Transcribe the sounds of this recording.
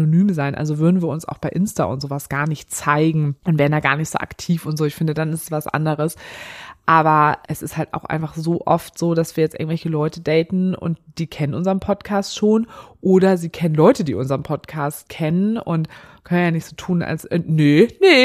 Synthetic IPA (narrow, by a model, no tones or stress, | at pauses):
nonyːmzaɪnʔa̰lzovʏɐdn̩viːɐʊnsa̰ʊxb̥aɪʔɪnsta̰ʊ̰ntz̥oːvasɡ̥aːɐnɪçtt͡saɪɡŋ̩ʔʊntvɛːʁndaːɡa̰ːɐnɪçtz̥o̰ːʔa̰ktʰiːfʊntz̥oːɪçfɪndədanɪstsv̥asʔa̰ndəʁəsʔaːbɐʔɛsɪsthaltʔa̰ʊxʔa̰ɪnfaχz̥oːʔɔftz̥oːdasv̥iːɐjɛt͡stʔɪ̰ɐɡŋ̩tvɛlçəlɔʏtədɛɪtn̩ʔʊ̰nt̚d̥iːkʰɛnənʔʊnzəʁənpʰɔtkʰaːstʃoːnʔoːdɐziːkʰɛnənlɔʏtədiːʔʊnzəɐʁəmpʰɔtkʰaːst̚kʰɛnənʊ̰nt | kʰœnənjaːnɪçtz̥oːtʰuːna̰lsnənə